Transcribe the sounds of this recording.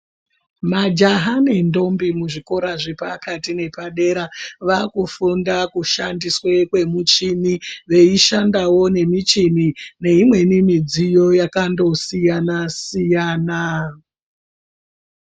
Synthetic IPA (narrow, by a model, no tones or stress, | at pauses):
mad͡ʒaɦane̞ndo̞mbimuʐiko̞ɾaʐepakatine̞paɗe̞ɾaʋakufundakuʃandiswekwe̞mut͡ʃiniʋe̞iʃandawo̞ne̞mit͡ʃinine̞imwe̞nimid͡zijo̞jakando̞sijanasijaːna